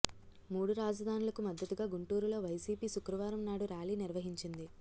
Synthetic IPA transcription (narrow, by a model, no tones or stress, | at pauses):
muːɽuɾaːd͡ʒɐd̪ʱaːnulɐkumɐd̪ːɐt̪uɡaːɡuɳʈuːɾulo̞ːʋɐjsiːpiːʃukɾɐʋaːɾɐmnaːɽuɾaːliːniɾʋɐɦiɲt͡ʃind̪i